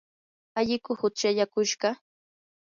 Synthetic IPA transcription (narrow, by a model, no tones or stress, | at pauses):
aʎɪkʊhʊt͡ʃaʎakʊʃɢɑ